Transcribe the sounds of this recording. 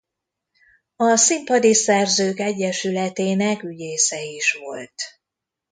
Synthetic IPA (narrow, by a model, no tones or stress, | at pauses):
ɒsimpɒd̪isɛrzøːkɛɟːɛʃylɛt̪eːnɛkyɟeːsɛiʃʋo̞̰lt̪